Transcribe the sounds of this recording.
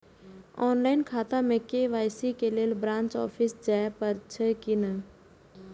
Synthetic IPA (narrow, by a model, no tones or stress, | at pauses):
ɔːnlaːɪnkʰaːt̪ãmẽkeʋaːjsikeleːlbɾãːnt͡ʃɔ̰ːfʰisd͡ʒaːpɐɾt͡ʃʰəkinə